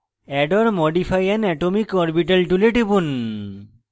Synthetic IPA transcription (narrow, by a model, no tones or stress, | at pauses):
ɛɖɔɾmɔɖipʰajɛnɛʈomikɔɾbiʈɐlʈuleʈibun